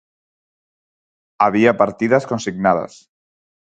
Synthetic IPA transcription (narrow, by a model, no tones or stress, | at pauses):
aβiapaɾt̪iðaskonsiɡnað̞a̰s